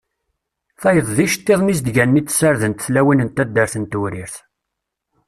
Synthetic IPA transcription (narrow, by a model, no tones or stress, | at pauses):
θæjəðˤðiʃt̪ːeðˤmiz̬d̪ʝænːit͡s̪ːsaɾðənt̪θlæwinənt̪æd̪ːəɾθənt̪uɾiɾθ